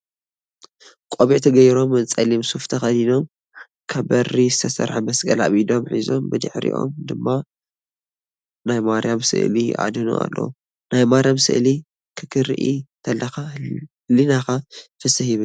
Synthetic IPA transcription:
kʼoβiʕt̪ʰɐɡɐjɾo̞mːɨnt͡sʼɐlimsuft̪ʰɐxɐlino̞m | kʰɐβbɐrːizɨt̪ʰɐsɐ̰ɾħamɐsɡʼɐla̰βid̪o̞mħizo̞mbɨd̪ɨ̰ħɾḭʔo̞̰md̪ɨmːa | najmaɾijamsɨ̰ʔliʔa̰d̪ɨnṵʔa̰lːɐ̰wu | najmaɾjamsɨ̰ʔli | kʰɨkʰɨɾɨ̰ʔit̪ʰɐlːɐxahlinakafɨsɨhiβɨn

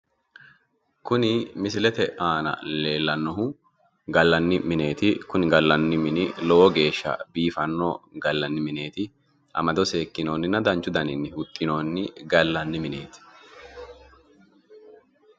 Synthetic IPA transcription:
kʊnɪmɪsɪlɛt̪ɛʔaːnɐ̰le̞ːlːɐnːɔhʊ | ɡɐlːɐnːɪmɪne̞ːt̪ɪkʊnɪɡɐlːɐnːɪmɪnɪlɔwɔɡe̞ːʃːɐ̰biːfɐnːo̰ːɡɐlːɐnːɪmɪne̞ːt̪ɪ | ʔɐ̰mɐd̪ɔse̞ːkːɪno̞ːnːɪnːɐd̪ɐnt͡ʃːʊd̪ɐnɪnːɪhʊt̪ʼːɪno̞ːnːɪɡɐlːɐnːɪmɪne̞̰ːt̪ɪ̥

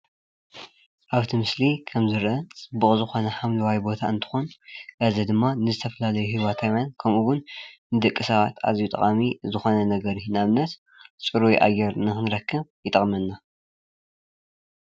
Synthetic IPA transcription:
ʔaβt̪ʰimɨslikʰɐmzɨɾʔɐt͡sʼɨbːuχʼzɨxo̞nɐħamlɐwajbo̞t̪ʰaɨnt̪ʰɨ̥xunʔɐzɐd̪ɨmːanɨzɨt̪ʰɐfɐlalɐjuhiwat̪ʰawjankʰɐmʔuwʊnnɨd̪ɨkʼːɨsɐβat̪ʰa̰zijut̪ʼɐ̰χʼamizɨxo̞nɐnɐɡɐɾinaβnɐt̪ | t͡sʼɨɾuiʔa̰jɛɾnɨxɨnɾɐkːɨmjɪt̪ʼɐχʼmɐnːa

